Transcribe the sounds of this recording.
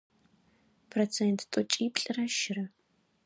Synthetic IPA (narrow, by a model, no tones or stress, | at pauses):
pʰrot͡sʰentʰtʼɔt͡ʃʼiːpʼɬʼɨrɐʃɪrɐ